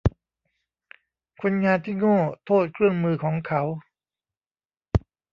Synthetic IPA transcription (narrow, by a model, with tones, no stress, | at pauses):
kʰo˧nŋaː˧nt̪ʰiː˥˩ŋɔː˥˩t̪ʰoː˥˩t̪̚kʰɾɯ˥˩əŋmɯː˧kʰɔː˩˦ŋkʰa˦˥w